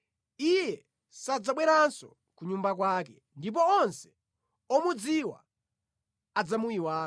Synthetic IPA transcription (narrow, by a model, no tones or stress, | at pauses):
ijɛ | sad͡zaɓwɛɾansɔ̰ | kuɲumbak̬waːk̬ɛ | ndip̬ɔɔnsɛ̥ | ɔmud͡ziwa̰ | ad͡zamuiwaː